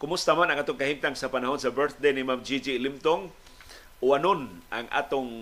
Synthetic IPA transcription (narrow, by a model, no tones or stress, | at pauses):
kʊmʊst̪amanaŋʔaːt̪ʊŋkahimt̪aŋsapanaɦʊnsabəɾt̪̚d̪ejnimamd͡ʒid͡ʒilɪmt̪oŋ | ʊanʊnʔaŋʔa̰ːt̪ʊŋ